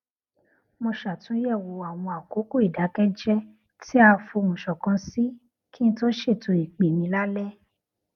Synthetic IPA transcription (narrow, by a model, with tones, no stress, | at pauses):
mõ˧ʃa˨tũ˨˦jɛ˦˨wo˨a˨w̃ɔ̃˧a˨ko˨˦ko˦i˨da˨˦kɛ˦d͡ʒɛ˦ | ti˦a˧fo˧˨mũ˨ʃɔ˨kã˨˧si˦ | ki˦n̩˦to˦ʃe˦˨to˧i˨k͡pe˨mĩ˧˦la˦lɛ˦